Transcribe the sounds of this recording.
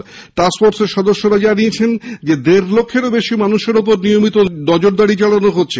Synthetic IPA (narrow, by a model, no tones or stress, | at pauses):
ʈasfoɾseɾʃɔd̪oʃːoɾad͡ʑaniet͡ɕʰend͡ʑed̪eɾlokʰːeɾobeʃimanuʃeɾupoɾnijomit̪onɔd͡ʑoɾd̪aɽit͡ɕaɭanoɦotːɕʰe